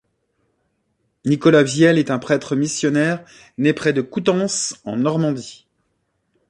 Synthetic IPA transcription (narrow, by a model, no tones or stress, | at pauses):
nikɔlavjɛlɛt̪ɛ̃pχɛt̪χəmisjɔnɛʁ | nɛpχɛd̪əkut̪ɑ̃sɑ̰̃nɔʁmɑ̃d̪i